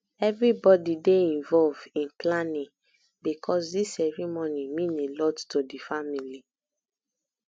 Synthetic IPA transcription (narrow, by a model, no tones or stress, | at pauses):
ɛvɹibɔdideĩnvɔlvĩnplanĩ | bikʰɔsdisɛɹimɔ̃nĩmĩnelɔttodifamili